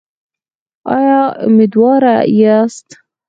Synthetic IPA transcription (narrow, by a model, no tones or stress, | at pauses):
ɑ̰jɑmɪd̪wɑɾajast̪